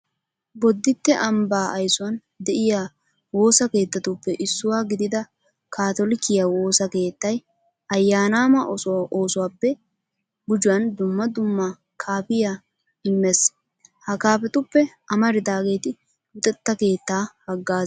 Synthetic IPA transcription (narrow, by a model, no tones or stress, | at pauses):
bɔd̪ːɪt̪ːɛʔɐmbaːʔɐjsʊwɐn | d̪ɛʔɪjaː | wo̞ːsɐke̞ːt̪ːɐt̪ʊpːɛʔɪsːʊwaːɡɪd̪ɪd̪ɐ | kʰaːt̪ɔlɪkːɪjawo̞ːsɐke̞ːt̪ːɐj | ɐjːaːnaːmɐʔɔsʔoːsʊwaːpːɛ | bʊd͡ʒʊwɐnd̪ʊmːɐd̪ʊmːɐ | kʰaːpɪja | ɪmːɛs | hɐkaːpɛt̪ʊpːɛʔɐmɐɾɪd̪aːɡe̞ːt̪ɪ | ʊt̪ʼɛt̪ːɐke̞ːt̪ːaːhɐɡːaːz